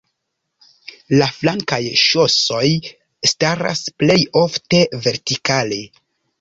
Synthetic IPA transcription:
laflaŋkajʃo̞so̞j | staɾa̰sple̞jo̞fte̞ve̞ɾtikale̞

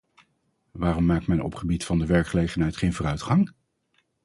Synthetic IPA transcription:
ʋaːrɔmːaːk̚tmɛnɔ̰pχəbitfɑndəʋɛɹkχəlejχənɦɛjtχejnvoːrœɥtχɑŋ

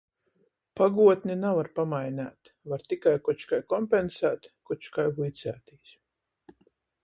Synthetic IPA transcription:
paɡuɔt̪ʲnʲinavaɾpamajnʲæ̰ːt̪vaɾt̪ikajkɔt͡ʃkajkɔmpensæːt̪kut͡ʃkajvujt̪sʲæːt̪iːs

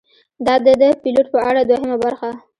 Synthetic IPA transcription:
d̪ɑd̪əd̪əpiloʈ̚pəaɽad̪wahɪmabaɾxa

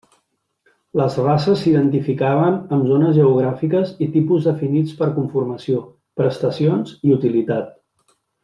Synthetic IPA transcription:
ləzrasəsːiðənt̪ifikaβənəmzonəzʒəuɣ̞ɾafikəzit̪ipuzðəfinit͡spəɾkuɱfuɾməsio | pɾəst̪əsionziut̪ilit̪at̪̚

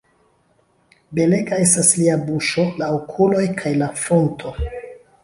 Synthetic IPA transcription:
be̞le̞ɡae̞stasliabuʃo̞laokʰulo̞jkʰajlafo̞ntʰo̞

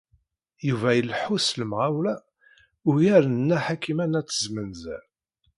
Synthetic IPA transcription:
juvæjəlħusləmʁawlæ | ʊɾjæɾənːæħakːimænæt͡sːəzmənzæ

